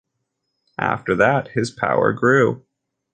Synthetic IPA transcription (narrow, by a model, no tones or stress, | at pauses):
ʔæ̰ftə˞ðət̚hɪz̥pʰa̰ʊə̰˞ɡɹʉ